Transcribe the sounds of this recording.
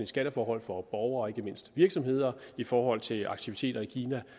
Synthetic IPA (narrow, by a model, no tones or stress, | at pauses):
nisɡ̥æɾəfɒːhɒ̽l̰fɒ̽b̥ɒʊɐːe̝ɡ̥əme̝n̰sd̥ʋiɐɡ̥sɒ̽mhe̝ð̞̰ˠɐifɒːhɒ̽l̰t͡sʰe̝lɑ̈ɡ̥̚t͡sʰiʋit͡sʰe̝̰ːd̥ɐikʰiːnæ